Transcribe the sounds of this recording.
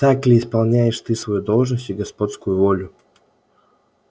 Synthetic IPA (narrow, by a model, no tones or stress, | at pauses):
t̪aklʲɪːspɐlˠnʲæjɪʂt̪ɨsvɐjud̪o̞lˠʐnəsʲtʲɪɡɐspo̞t̪skʊjʊvolʲʊ